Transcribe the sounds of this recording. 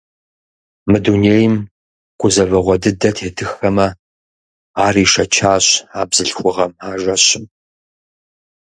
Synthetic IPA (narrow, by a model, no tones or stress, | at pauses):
mɨduneːjɪm | qʷʊzɐvɐʁʷɔdɨdɐtʰeːtʰɨxɐmɐ | aːriːʂɐt͡ʃʰaːɕaːbzɨɬxʷʊʁɐmaːʒɐɕɪm